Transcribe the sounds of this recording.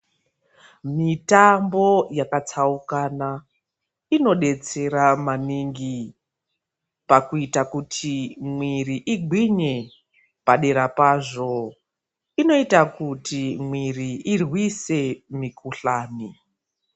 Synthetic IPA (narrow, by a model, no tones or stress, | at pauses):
mitambo̞jakat͡saukana | ino̞ɗe̞t͡se̞ɾamaniŋɡi | pakuitakutʰimwiriʔiɡʱwiɲe̞ | paɗe̞ɾapaʐo̞ | ino̞itakutimwiriirwise̞mikuɬaːni